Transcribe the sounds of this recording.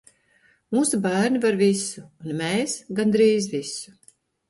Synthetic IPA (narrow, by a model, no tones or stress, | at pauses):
muːsubæːɾnʲivaɾvisuːnmeːsɡand̪ɾiːzvisu̥